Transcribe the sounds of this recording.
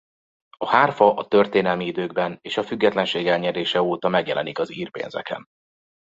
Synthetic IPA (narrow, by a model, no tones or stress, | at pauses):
ɒhaːrfɒʔɒt̪ø̞rt̪eːnɛlmiid̪øːɡbɛneːʃɒfyɡːɛt̪lɛnʃeːɡɛlɲɛɾeːʃɛoːt̪ɒmɛɡjɛlʔɛ̰nikɒziːrpḛːnzɛ̰kɛ̰n